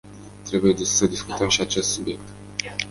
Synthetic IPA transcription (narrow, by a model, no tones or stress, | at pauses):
t̪ɾe̞buje̞d̪isəd̪iskut̪əmʃiat͡ʃe̞st̪subje̞k̚t̪